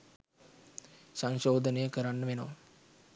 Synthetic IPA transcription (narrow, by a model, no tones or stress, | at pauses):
saŋʃoːd̪ənəjəkəɾanːəʋenoʋ